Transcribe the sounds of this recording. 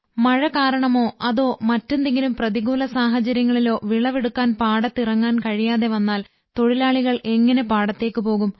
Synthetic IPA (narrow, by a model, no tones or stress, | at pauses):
mɐɻɐkaːɾɐɳɐmo̞ːɐðo̞ːmɐtːe̞nd̪eŋɡilumprɐðiɣuːlɐsaːɦɐt͡ɕɐɾjɐŋːɐɭilo̞ːʋiɭɐʋeɽukːaːnpaːɽɐt̪ːirɐŋːaːnkɐɻijaːðe̞ʋɐnːaːl | t̪o̞ɻilaːɭiɣɐɭe̞ŋːɐne̞paːɽɐt̪ːe̞ːkːɨpo̞ːɣum